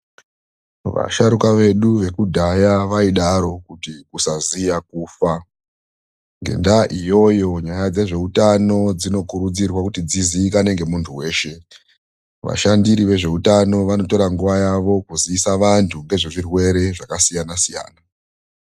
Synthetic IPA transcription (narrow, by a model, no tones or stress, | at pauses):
ʋa̰ʃaɾukaʋe̞ɗuʋe̞kudʱajaʋaiɗaɾo̞kutikusazijak̚uːfa | ŋɡe̞̰ndaʔijo̞jo̞ɲajad͡ze̞ʐe̞utano̞d͡zino̞kuɾud͡zirwakutid͡ziziːkane̞ŋɡe̞muntʰuwe̞ːʃe̞ | ʋa̰ʃandiɾiʋe̞ʐe̞utano̞ʋano̞to̞ɾaŋɡuʋajaʋo̞kuziːsaʋantʰuŋɡe̞ʐiʐirwe̞ɾe̞ʐakasijanasija̰ːna